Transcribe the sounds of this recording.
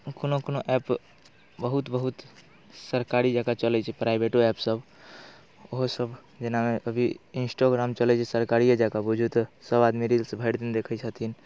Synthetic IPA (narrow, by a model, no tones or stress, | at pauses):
konokonoʔɛp | bəɦut̪bəɦut̪ | səɾkaɾid͡ʒakat͡ʃəlɛt͡ʃʰɛpɾajbeʈoɛpsəb | oɦsəb | d͡ʒenameʔəbʱiinsʈoɡɾamt͡ʃəlɛt͡ʃʰɛsəɾkaɾijad͡ʒakabud͡ʒʱut̪ɔsəbad̪miɾilsəbʱəɾd̪ind̪ekʰət͡ʃʰət̪ʰin